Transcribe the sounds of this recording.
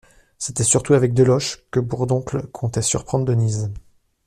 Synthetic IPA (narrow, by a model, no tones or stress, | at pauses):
set̪ɛsyʁt̪uavɛk̚d̪əlɔʃkəbuʁd̪ɔ̃klkʰɔ̃t̪ɛsy̰ʁpχɑ̃d̪ʁd̪əniz